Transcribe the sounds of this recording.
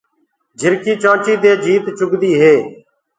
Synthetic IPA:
d͡ʒʱɪɾkiːt͡ʃãːt͡ʃiːd̪eːd͡ʒʱiːt̪t͡ʃʊkd̪iːɦeː

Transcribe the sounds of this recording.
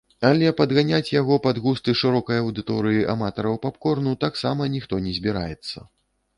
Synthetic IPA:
alʲɛpɐd̪ɣanʲat͡sʲjaɣɔpad̪ɣust̪ɨʂɨɾɔkɐjɐɐwd̪ɨt̪ɔɾɨjiʔamat̪ɐɾɐwpapkɔrnut̪aksamɐnʲixt̪ɔnʲɛzʲbʲiɾa̰jɛt̪sːɐ̰

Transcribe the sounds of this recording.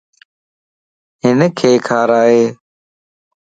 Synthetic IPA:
ɦɪnkʰeːkʰaːɾaːɦeː

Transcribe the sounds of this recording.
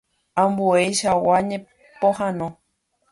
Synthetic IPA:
ãmbuejʃawaɲẽ | pohãnõ

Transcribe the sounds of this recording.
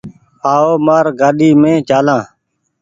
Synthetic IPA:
aːoːmaːɾɡaːɗiːmẽːt͡ʃaːlãː

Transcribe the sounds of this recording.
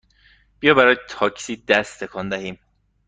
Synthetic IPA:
b̥ijɒːbæɾɒːjet̪ʰɒːcʰsiːd̪æst̪t̪ʰekʰɒːnd̪æɦiːm

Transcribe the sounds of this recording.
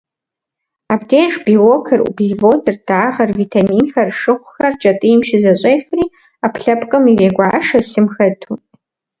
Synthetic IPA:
abdʰeːnʂbiwokʰɐrṵbɮivoːtʰɨrd̥aːʁɐrvitʰamiːnxɐrʂɨχʷxɐrt͡ʃʼɐtʼɨjmʃɪzɐɕʼeːjfriː | apʰɬɐpʰʼqʼɨmireːɡʷaːʂɐɬɨmxɐtʰu

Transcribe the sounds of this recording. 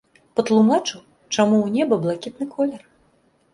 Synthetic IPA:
pɐt̪lˠumat͡ʂɨ | t͡ʂamuwnʲɛbɐblˠakʲit̪̚nɨkʰɔlʲɛr

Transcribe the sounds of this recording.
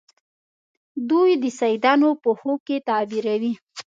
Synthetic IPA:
d̪ujd̪əsajd̪ɑnopəhokːet̪ɑbiɾawi

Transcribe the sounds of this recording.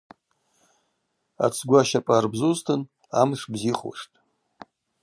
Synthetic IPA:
a̰t͡sʰɡʷaʃapʼarbzuztʰɨn | amʂbziχṵʂtʼ

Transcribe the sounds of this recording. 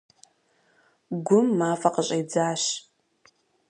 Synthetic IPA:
ɡʷʊmːaːfɐqəɕʼejd͡zaːɕ

